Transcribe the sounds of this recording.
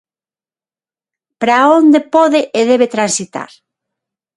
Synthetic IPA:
pɾaond̪epoðeʔeðeβet̪ɾansit̪a̰ɾ

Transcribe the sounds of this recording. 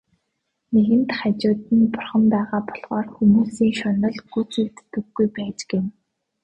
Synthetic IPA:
neɣɘ̆nt̪χat͡ɕʊːt̪ĭnpʊrχə̆mpæːʁaːpɔ̥ɮʁɔːrxumuːsiːŋʃɔnɞ̆ɮɡut͡sukt̪ːɘ̆ɡːujpæːt͡ɕɡem

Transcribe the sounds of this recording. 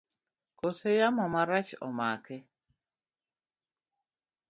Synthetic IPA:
kosejamɔmaɾat͡ʃɔ̰makɛ

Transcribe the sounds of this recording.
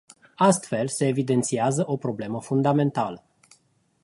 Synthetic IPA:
ast̪fe̞lse̞ːvid̪e̞nt̪siazəʔo̞pɾo̞ble̞məfund̪ame̞nt̪alə

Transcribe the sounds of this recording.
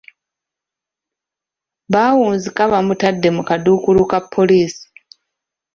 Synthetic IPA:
βaːwuːnzikaβamutadːe̞mukaduːkulukapʰːo̞liːsi̥

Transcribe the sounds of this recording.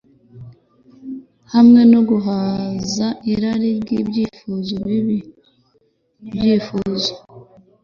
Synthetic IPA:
hamŋe̞noɡuɦazaʔiɾaɾibɟiːbɟiːfuzoβiβi | bjiːfuzo̥

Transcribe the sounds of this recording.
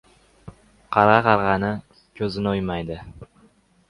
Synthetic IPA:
qʰɑɾʁɑqʰɑɾʁɑnɪ | kʲʰɵzɪnɪojmajd̪ɪ

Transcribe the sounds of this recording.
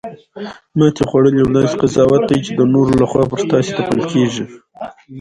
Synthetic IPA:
mɑt̪exwaɽəlawlɑnzqazɑwat̪̚d̪ajt͡ʃed̪ənoɾolaxwɑpəɾt̪ɑset̪apəlkeʒi

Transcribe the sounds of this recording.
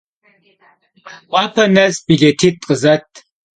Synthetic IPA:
ʔʷʼɑːpʰɐnɐsbiɮɐtʰiːtʼqʼəzɐtʰ

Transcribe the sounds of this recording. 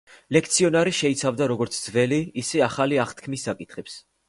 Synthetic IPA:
lɛkʰt̪sʰiɔnaɾiʃɛit̪sʰavd̪aɾɔɡɔɾt̪sʰd̪zvɛliːsɛaχaliaχt̪ʰkʰmisːakʼit̪ʰχɛps

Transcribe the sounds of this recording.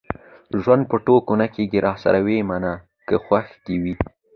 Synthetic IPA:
ʒwand̪̚pəʈokonakeɡiɾɑsa̰ɾawemana | kəxwaxd̪iwi

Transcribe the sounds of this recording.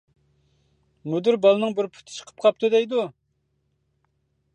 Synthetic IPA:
mud̪yɾbɑlˠɨnɨŋbɪɾpʰʊ̥t̪ʰɪ̥t͡ʃʰə̥qʰə̥p̚qʰɑp̚t̪ʰud̪ɛjd̪u

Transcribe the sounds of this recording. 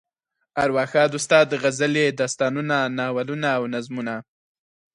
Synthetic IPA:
aɾwɑxɑd̪ʊst̪ɑd̪ːəɣazaled̪ast̪ɑnunanɑwalunaːwnazmuna

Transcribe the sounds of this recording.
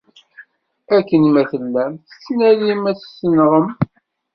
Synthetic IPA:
ækːənmæθəlːæmθə̥t͡sːnælimæθsːənʁəm

